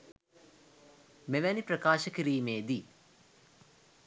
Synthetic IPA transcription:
meʋæniprɐkaːʃəkiɾiːmeːd̪i

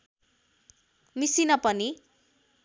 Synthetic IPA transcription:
misinʌpʌni

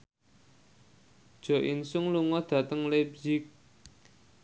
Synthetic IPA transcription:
d̥ʒ̥ɔ̤ʔinsʊŋluŋɔd̪̥ä̤t̪əŋlebzɪk̚

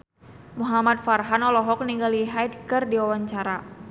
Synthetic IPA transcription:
muɦamat̪̚farɦanɔlɔɦɔk̚niŋɡaliɦajdkɨrdiwawaɲt͡ʃaɾa

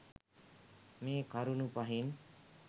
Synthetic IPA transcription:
mekʌɾunupʌɦin

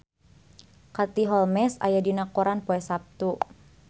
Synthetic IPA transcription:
kat̪iɦɔlmɛsa̰jadinakɔɾanpɔɛsap̚t̪u

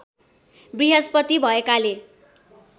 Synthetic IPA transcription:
briɦaspʌt̪ibʱʌekale

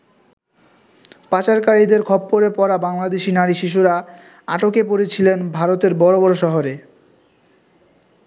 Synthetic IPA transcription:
pat͡ɕaɾkaɾid̪eɾkʰɔbːoɾepɔɾabaŋlad̪eʃinaɾiʃiʃ̬uɾa | aʈokepoɾet͡ɕʰilenbʱaɾot̪eɾbɔɾobɔɾoʃɔɦoɾe

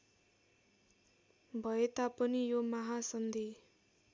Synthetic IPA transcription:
bʱʌet̪apʌnijomaɦasʌnd̪ʱi

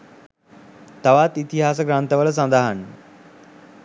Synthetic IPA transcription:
t̪aʋat̪it̪iɦas̬əɡɾant̪əʋələs̬and̪əɦan

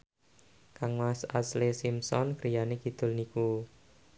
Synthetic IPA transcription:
kaŋwasa̰slesimsɔnkɾijanekid̪̥ʊ̤lniku

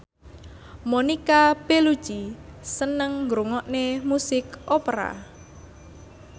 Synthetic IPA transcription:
monikab̥elud̥ʒ̥isənəŋɡɾuŋɔʔnemusɪkʔopɾa̰

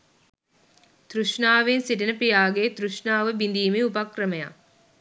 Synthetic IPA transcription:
t̪ɾuʂnaːʋensiʈənəpijaːɡet̪ɾuʂnaːʋəbind̪iːmeupakrəməja̰

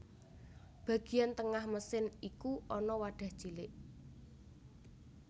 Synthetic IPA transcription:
b̥a̤ɡ̥i̤jant̪əŋahməsɪnikuɔnɔwaɖ̥a̤hd̥ʒ̥ilɪʔ

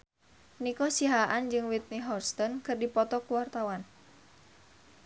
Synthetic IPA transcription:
nikɔsiɦaʔand͡ʒɨŋwit̪̚niɦɔrst̪ɔnkɨrdipɔt̪ɔkuwart̪awan

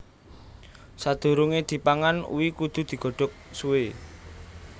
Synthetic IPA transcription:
sad̪̥ṳɾuŋed̪̥i̤paŋanṵwikud̪̥ṳd̪̥i̤ɡ̥ɔ̤ɖ̥ɔ̤k̚suwe

